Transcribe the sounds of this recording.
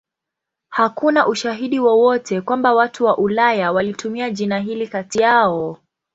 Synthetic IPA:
hakunaʔuʃaɦiɗiwɔwɔtʰɛkwambawatuwaʔulajawalitumiaʄinaɦilikatijaɔ

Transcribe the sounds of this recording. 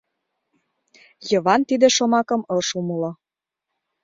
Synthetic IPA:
jɤ̆βɑnt̪id̪eʃomɑkɤ̆mɤlʃumɤlɤ̆

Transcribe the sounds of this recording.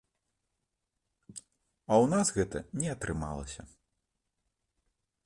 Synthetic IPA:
ɐwnaszɣɛt̪ɐ̰nʲɛɐt̪ɾɨma̰lˠɐ̰sʲɐ

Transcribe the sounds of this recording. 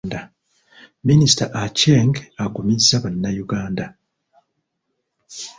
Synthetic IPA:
nda | minisi̥taʔaceŋɡaɡumizːaβanːajuɡaːnda

